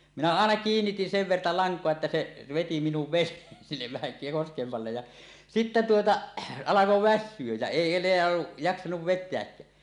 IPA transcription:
minæ ɑˑenɑ kiːnːitin seʋ ʋertɑ lɑŋkˑoɑ etːæ se ʋeti minuʋ ʋenˑeːn sinːeʋ ʋæhæ koskemː ɑlːej jɑ sitːe tuotɑ ɑlɑko ʋæsːyøj jæ eˑi enˑeæ jɑksɑnuʋ ʋetˑeækːæː

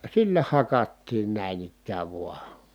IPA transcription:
silːæ hɑkɑtːiːn næˑi̯n ikːæːʋ ʋuɑ

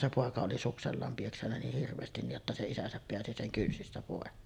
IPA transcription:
se poˑekɑ oli sukselːɑːm pieksænːæ niːh hirʋˑeːstin niʔ ʔotːɑ se isæsæp peæsi seŋ kynsistæ poˑekːeːn

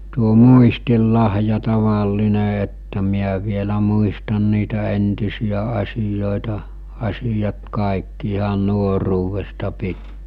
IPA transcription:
tuo muistilːɑhjɑ tɑʋɑlːine etːæ miæ ʋielæ muistɑn niːtæ entisijæ ɑsijoˑetɑ ɑsijɑt kɑˑikːi ihɑn nuoruːʋestɑ pitːiː

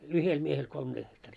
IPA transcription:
yhel miehel kolm ɡ̊ehtɑriː

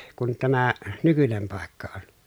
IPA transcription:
kun tæmæ nykynem pɑˑekːɑ on

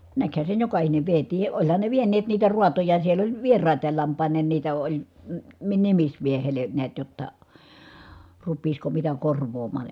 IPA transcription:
nækhæ sen jokɑhineʋ ʋietiː ʔolʲhɑn ne ʋienˑeːt niːtæ ruɑtojɑ siel olʲ ʋierɑˑitˑɑːl lɑmpˑɑˑinˑeːn niːtæ olʲ m̩ mi nimismiehele niæt jotːɑ rupˑiːsko mitæ korʋˑoːmˑɑːn̞

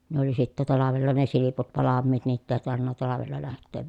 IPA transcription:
ne oli sitːæ tɑlɑʋelːɑ ne siliput ʋɑlɑmːiːt niːtː eˑi tɑrʋinːɑ tɑlɑʋelːɑ læhtˑeːʋ

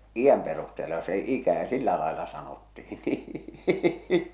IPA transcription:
ij̆æm perusteːlɑ se ikæ silːæ lɑelɑ sɑnotːihi niː

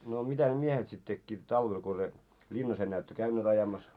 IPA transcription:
no mitæ ne miehet sit tekːiːt tɑlʋel ko se lʲinːɑs enːæː etːø kæynːeːt ɑjɑmɑs

